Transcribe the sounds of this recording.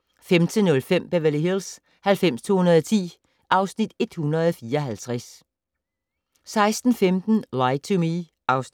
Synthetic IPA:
femd̥ʰənɔ̽lfem̰b̥eʋæliɦils | hælfem̰st͡sʰo̝̰ːhunɐð̞ˠɒt͡sʰḭː | ʔɑ̈ʊsnid̥e̝d̥hunɐðˠɒfiːɐɒ̽ɦælt͡sʰʁas | sɑ̈ɪsd̥n̩femd̥n̩lɑɪt͡sʰumi | ʔɑ̈ʊs

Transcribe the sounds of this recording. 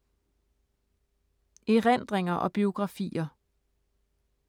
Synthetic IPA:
eʁen̰d̥ʁeŋɐʔɒ̽b̥io̝ɡ̥ʁɑ̈fḭːɐ

